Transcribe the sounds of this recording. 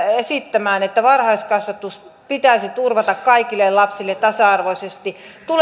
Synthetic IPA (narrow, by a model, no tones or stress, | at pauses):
esit̪ːæmæːnet̪ːæʋɑrhɑiskɑsʋɑt̪us | pit̪æisit̪urʋɑt̪ɑkkɑikilːelɑpsilːet̪t̪ɑsɑɑrʋoisest̪it̪ul